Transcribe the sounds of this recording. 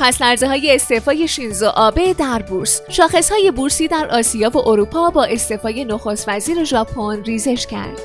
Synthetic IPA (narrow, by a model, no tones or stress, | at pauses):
pʰæslæɾzeɦɒːje̞ːst̪e̞fɒːje̞ʃinzoʔɒːbe̞d̪æɾbuɾsʃɒːxe̞shɒːje̞buɾsiːd̪æɾʔɒːsijɒːvoʔoɾupʰɒːbɒːʔe̞st̪e̞fɒːje̞noxo̞st̪væziːɾe̞ʒɒːpʰonriːze̞ʃcʰæ̰ɾd̪̥